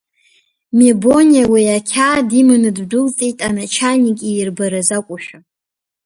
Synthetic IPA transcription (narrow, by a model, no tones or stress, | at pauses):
mebo̞nijawiakʲʰaːdimɨnɨddɨlt͡sʼejtʼanat͡ʃʰanikʲʼirbaɾazakʷʼʊʃᶣa